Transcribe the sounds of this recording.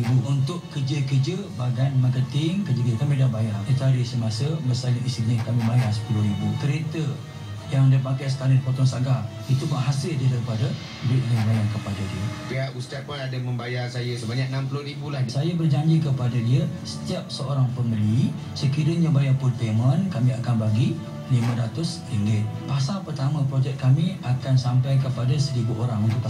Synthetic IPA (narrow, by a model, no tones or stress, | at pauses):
ibuunt̪ʊʔkərd͡ʒəkərd͡ʒəbaɡanmə̃kət̪ɪŋkəd͡ʒəɡikəmedahbajaŋit̪aɾisəmasəməsaliist̪ɾiɲəkamĩmajaŋsə̥pulʊhɾibukəɾet̪ə | jaŋdəpakajsə̥k̪aɾədipɔt̪ɔŋsaɡa | it̪ubaɦasɪldidaipadə | bɾɪʔ̪̚jaŋbajaŋkəpadadiəpiaʔust̪apʊnadaməmbajarsajəsəbaɲak̚nampulʊhɾibulahsajəbərd͡ʒaɲd͡ʒikəpadadiəsə̥t̪iap̚səoɾaŋpəməlui | səkiɾəɲəbajapʊnpemə̃nkamiakanbaɡi | nimə̃dat̪ʊs | iŋɡɪt̪̚pasalpərt̪amə̃pɾod͡ʒɛkt̪̚kamĩakansampajkəpadasəɾibuʔoɾaŋunt̪ʊʔkpa